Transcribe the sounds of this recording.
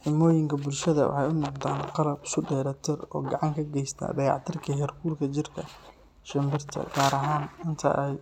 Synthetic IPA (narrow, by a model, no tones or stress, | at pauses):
ħɪmɔːjɪŋkʰɐbʊlʃɐðɐwɑ̰ħɑjʊnɔqd̪aːnqɑlɐbsʊɖɛːɾɐt̪ʰɪrɔ̰ːɡɑʕɑŋkʰɐɡɛjst̪ʰɐ̰ːdɐjɑ̰ʕt̪ʰɪrkʰɐjɐrkʰuːrkʰɐt͡ʃɪrkʰɐ | ʃɐmbɪrt̪ʰɐ̰ɡaːɾɐɦaːnɪnt̪ʰɐ̰ʔɛj